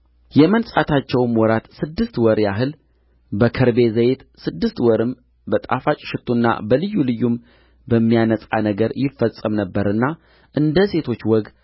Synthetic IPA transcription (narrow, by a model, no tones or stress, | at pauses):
jɛmənsʼat̪ʰat͡ʃːɛwɨmwɔɾat̪sɨd̪ːɨst̪wɔɾjaɦɨl | bəkʰɨɾbe̞zəjet̪sɨd̪ːɨst̪wɔɾɨm | bət̪ʼa̰fat͡ʃʼʃɪt̪ʰːunːa̰bəlɨjːulɨjːum | bəmːijanəsʼa̰nəɡəɾjɪfːəsʼəmnəbːəɾɨnːa | ʔɨnd̪əse̞t̪ʰo̞t͡ʃːwɔɡ